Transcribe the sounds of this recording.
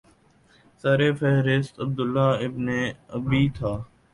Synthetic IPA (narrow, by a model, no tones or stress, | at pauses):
saːɾeːfɛɦɾɪst̪əb̚d̪ʊlːaːɪbneːəbiːt̪ʰaː